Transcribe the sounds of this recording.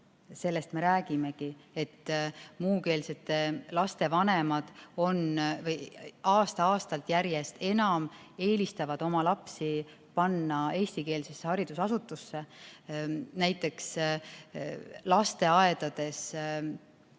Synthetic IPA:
se̞lːe̞st̪me̞ɾæːɡ̥ime̞kie̞t̪ːmuːke̞ːlse̞t̪ːe̞lɑst̪e̞vɑnemɑd̪̥o̞nvɤjɑːst̪ɑɑːst̪ɑlt̪ˑjæɾje̞st̪e̞nɑme̞ːlist̪ɑvɑd̪̥o̞mɑlɑpsi | pɑnːɑe̞ːsʲt̪ike̞ːlsesːe̞hɑɾid̪̥usɑsut̪ːˑusːe̞ | næjt̪ːˑe̞ks | lɑst̪e̞ɑe̞d̪̥ɑd̪̥e̞s

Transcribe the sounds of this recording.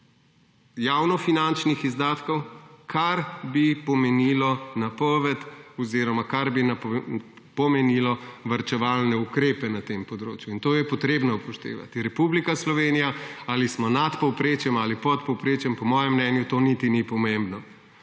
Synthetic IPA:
jawnɔfinant͡ʃnixizd̪aːt̪kɔwkʰaɾbipɔmɛniːlɔnapɔʋɛt̪ɔziːɾɔmakaɾbina | pɔmɛnilɔʋɐɾt͡ʃɛʋalnɛukɾeːpɛnat̪empɔd̪ɾo̰ːt͡ʃjuint̪oːjɛpɔt̪ɾeːbnɔupɔʃt̪ḛːʋa̰t̪iɾɛpublikaslɔʋeːnijaaːlismɔnat̪pɔwpɾeːt͡ʃjɛmalipɔt̪pɔwpɾeːt͡ʃjɛmpɔmɔːjɛmːnɛnjut̪oːnit̪inipɔmembnɔ

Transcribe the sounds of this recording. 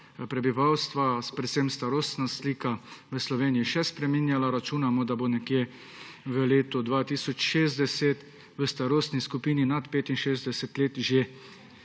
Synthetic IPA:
pɾɛbiʋawst̪ʋapɾɛt̪semst̪aɾoːst̪nasliːkaʋəslɔʋeːnijiʃɛspɾɛminjalaɾat͡ʃuːnamɔd̪abonɛkje | ʋəleːt̪ɔd̪ʋaːt̪iːsɔt͡ʃʃeːzd̪ɛset̪ | ʋəst̪aɾoːst̪niskupiːninat̪peːt̪inʃeːzd̪ɛsɛt̪leːt̪ʒe

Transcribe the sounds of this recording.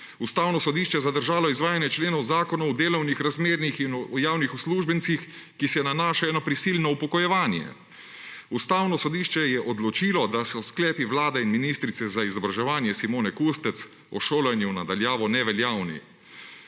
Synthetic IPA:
ust̪aːwnɔsɔd̪iːʃt͡ʃɛjɛzad̪əɾʒaːlɔizʋaːjanjɛt͡ʃleːnɔwzaːkɔnɔwd̪eːlɔwnixɾazmeːɾnixinjaːwnixusluːʒbɛnsix | kisɛnanaːʃaɛːnɔpɾisilnɔupɔkɔjɛʋaːnjɛ̰ | ust̪aːwnɔsɔd̪iːʃt͡ʃɛjɛʔɔd̪lɔt͡ʃiːlɔd̪asɔsklɛːpiʋlaːd̪ɛinminiːst̪ɾit̪sɛzaizɔbɾaʒɛʋaːnjɛsimoːnɛkust̪ɛt̪s | ɔʃoːlɛnjunad̪aljaːʋɔnɛʋɛljaːwnḭ

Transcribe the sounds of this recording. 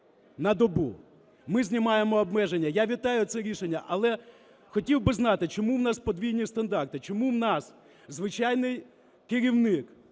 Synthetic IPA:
nɐd̪ɔbṵ | mɪzʲnʲimɑjemɔːbmɛʒenʲːɐjaʋʲit̪ɑjʊt̪sɛɾʲiʃenʲːɐʔɐlˠɛ | xɔtʲiwbɪznɑt̪ɪt͡ʃɔmuwnɑspɔd̪ʋʲijnʲist̪ɐnd̪ɑrt̪ɪt͡ʃɔmuwnɑs | zʋɪt͡ʃɑjnɪj | kɪɾʲiwnɪk

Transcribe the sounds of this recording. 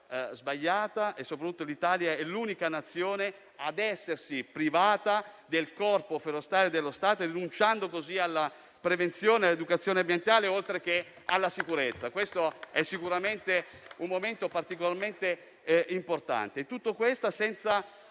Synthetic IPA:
zbaʎːaːt̪aʔesːopɾat̪ut̪ːolit̪aːljaɛluːnikanat̪sːjoːne | ad̪ɛsːersipɾivaːt̪ad̪elkɔrpofeɾost̪aːɾed̪elːost̪aːt̪oɾinunt͡ʃand̪okozialːa | pɾevent̪sjoːnealed̪ukat̪sːjoːneambjent̪aːleolt̪ɾek̟e | a̰lːasikuɾet̪sːakwest̪oɛsːikuɾament̪eummoment̪opart̪ikolarment̪e | import̪a̰nt̪eːt̪ːut̪ːokwest̪asɛnt̪sa

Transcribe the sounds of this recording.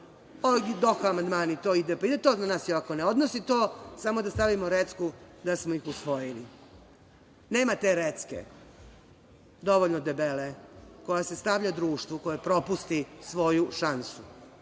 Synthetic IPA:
od̪oxaamand̪maːnit̪o̞ːid̪epaid̪et̪onanaːsjoakoneo̞d̪nosit̪o̞ːsamo̞d̪ast̪aʋimoɾet̪skud̪asmoixusʋo̞jili | ne̞ːmat̪e̞ɾet̪skḛ | d̪o̞ʋoʎnod̪ebeleko̞jase̞st̪aʋʎad̪ɾuːʃt̪ʋuko̞jepɾo̞pust̪isʋo̞juʃansu

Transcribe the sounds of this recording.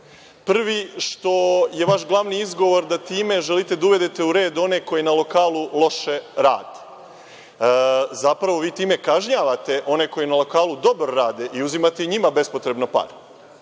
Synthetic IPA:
pr̩ʋiʃt̪o̞je̞ʋaʃɡlˠaʋniizɡo̞ʋo̞ɾd̪at̪iːme̞ʒelit̪e̞d̪auʋe̞d̪et̪e̞uɾe̞ːd̪o̞ne̞ko̞jenalˠo̞kaːlˠulˠo̞ʃe̞ɾa̰ːd̪e | zapɾaʋo̞ʋiːt̪iːme̞kaʒɲaːʋat̪e̞ʔo̞ne̞ko̞jenalˠo̞kaːlud̪o̞bɾoɾaːd̪e̞ʔiuzimat̪e̞iɲimabe̞spot̪ɾe̞bnopa̰ɾ

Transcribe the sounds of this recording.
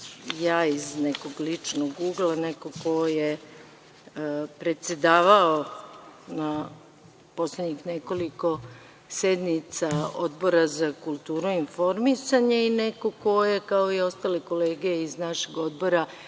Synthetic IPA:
jaːizneko̞ɡlit͡ʂnoɡuːɡlˠaneko̞ko̞je | pɾe̞t̪se̞d̪aːʋao | na | po̞sled̪ɲixneko̞liko̞ | sed̪nit̪saod̪bo̞ɾazakulˠt̪uːɾuinfo̞ɾmisaɲeinekoko̞jekao̞io̞st̪aleko̞le̞ːɡejeiznaʃeɡo̞d̪̚bo̞ɾa

